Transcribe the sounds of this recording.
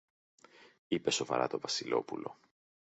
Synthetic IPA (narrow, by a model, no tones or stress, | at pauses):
ipe̞so̞vɐ̰ɾɐ̰t̪o̞vɐsilo̞pulo̞̰